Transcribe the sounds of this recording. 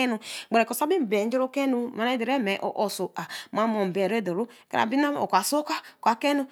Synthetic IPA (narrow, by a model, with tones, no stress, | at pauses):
ɛ˦nu˨ɡ͡be˨ɾe˨ko˨sa˦bi˦m˨be˨n̩˦d͡ʒi˦ɾo˦ke˦nu˨ma˨ne˦di˨ɾe˦mɛ˨ʔo̰˨ʔo˨so˨ʔa˨ma˦mo˨m̩˨be˨ɾe˦˨do˨ɾu˦ | ka̰˦a̰˨bi˦na˦o̰˨kʷa˨so˦ka˦˨kʷa˨ke˦nu˦